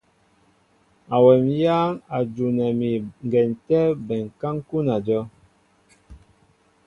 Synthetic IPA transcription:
a˨wɛ˨mjaː˦ŋa˨d͡ʒu˨nɛ˨mi˨ŋ˨ɡɛ˨n˨tɛ˦bɛ˨ŋ˨ka˦ŋ˦ku˦na˨d͡ʒɔ˦

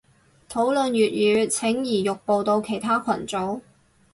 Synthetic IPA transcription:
t̪ʰo˨˥wlɵ˨njyː˨t̚jyː˨˧˥t͡sʰɪ˨˥ŋjiː˨˩jʊ˨k̚po˨˧wt̪o˧wkʰe˨˩jt̪ʰaː˥kʰɐ˨˩nt͡so˨˥w

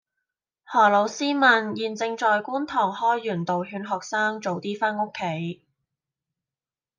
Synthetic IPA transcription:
hɔː˨˩lo˨˧˥wsiː˥mɐ˨˩njiː˨nt͡sɪ˧ŋt͡ʃɔː˨jkuː˥nt̪ʰɔː˨˩ŋhɔː˥jːyː˨˩nt̪o˨wɦyː˨˧nɦɔː˨k̚saː˥ŋt͡ʃo˨wt̪iː˥faː˥no˥kʰːe˨˥j

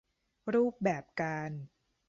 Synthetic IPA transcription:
ɾuː˥˩p̚bɛː˨˩p̚kaː˧n

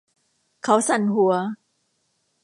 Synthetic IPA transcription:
kʰa˦˥wsa˨˩nɦu˨˩˦ɐ

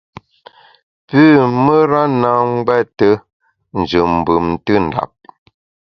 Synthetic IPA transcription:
pʉː˦˨mə˦ɾa˦na˨˦ŋ˦ɡwɛ˦˨tə˦ | n̩˨d͡ʒɨ˨m˨bɨ˨mtɨ˦n̩˨da̰˨p̚

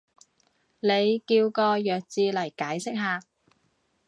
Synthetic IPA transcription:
le˨˧jkiː˧wkɔː˧jœː˨k̚t͡siː˧lɐ˨˩jkaː˨˥jsɪ˥k̚ɦaː˨˧

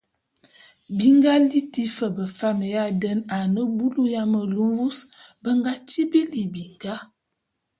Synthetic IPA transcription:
bi˦ŋɡa˦li˦ti˦fə˨bə˨fa˦mə˨ja˦də˦na˨nə˦bu˦lu˦ja˦mə˨lu˦mbu˦sbə˦ŋɡa˦ti˦bi˦li˨bi˨ŋɡa˦

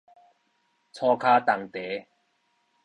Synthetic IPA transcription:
t͡sʰɔː˧kʰaː˧t̪a˨˩ŋt̪e˨˦

